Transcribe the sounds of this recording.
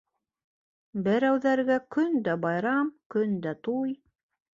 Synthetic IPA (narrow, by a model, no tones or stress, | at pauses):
bɘ̆ɾæwðæɾɡækɵnd̪æbɑjɾɑmkɵnd̪æt̪uj